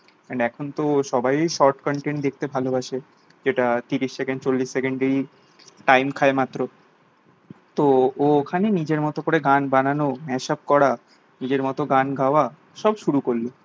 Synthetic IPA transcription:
ɛɳɖɛkʰont̪oʃɔbajojʃɔɾʈkɔɳʈend̪ek̚t̪ebʱalobaʃe | d͡ʑeʈat̪iɾiʃsekeɳɖt͡ɕolːiʃsekeɳɖeɾi | ʈajmkʰaemat̪ːɾo | t̪ookʰanenid͡ʑeɾmɔt̪okoɾeɡanbananomɛʃap̚kɔɾa | nid͡ʑeɾmɔt̪oɡanɡʱaoa | ʃɔbʃuɾukoɾlo

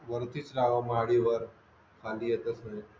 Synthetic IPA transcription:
ʋəɾt̪it͡slaʋamɦaɽiʋəɾ | kʰaːliet̪əsnẽ

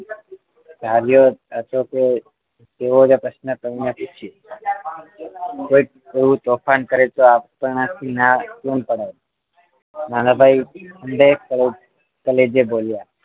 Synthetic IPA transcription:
dʱaɾjoɦət̪oke | t̪eʋod͡ʒapɾəsnət̪əʋinaput͡ʃʰi | koi | eʋũt̪ofʰankəɾet͡ʃoapəat̪ʰinakunpəɽa | nanabʱajənɖeəl | kəled͡ʒebolja

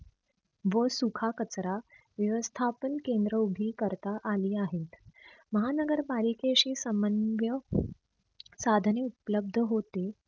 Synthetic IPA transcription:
ʋəsukʰakət͡sɾa | ʋjəʋəst̪ʰapənkend̪ɾəubʱiːkəɾt̪aʔaliːaɦet̪məɦanəɡəɾbalikeɕiːsəmənʋjə | sad̪ʱneupələb̚d̪ʱəɦot̪e

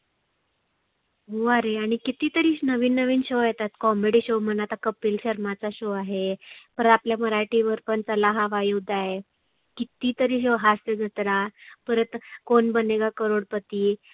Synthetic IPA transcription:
ɦoaɾeaɽ̃ikit̪iːt̪əɾiːɕnəʋiːnːəʋiːnɕojɛt̪at̪kɔmeɽiːɕomənat̪akəpiːlɕəɾmat͡saɕoaɦepəɾapljaməɾaʈiʋəɾpəɳt͡səlaɦaʋajud̪ʱaɦe | kit̪iːt̪əɾiːɕoɦast̪əd͡zət̪ɾapəɾət̪konbəneɡakəɾoɽpət̪iː

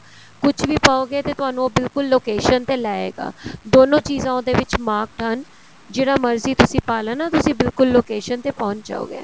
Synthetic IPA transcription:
kʊt͡ʃʰʋiːpaːoːɡeːt̪eːt̪ʊaːnũːoːbɪlkʊlːoːkeːʃənt̪eːlɛːḛːɡa̰ːd̪oːnõːt͡ʃiːzãːõd̪eːʋɪt͡ʃmaːk̚ʈɦən | d͡ʒeːɽaːməɾziːt̪ʊsĩːpaːlənaːt̪ʊsĩːbɪlkʊlːoːkeːʃənt̪eːpɔ̃ːnt͡ʃd͡ʒa̰ːo̰ːɡḛː

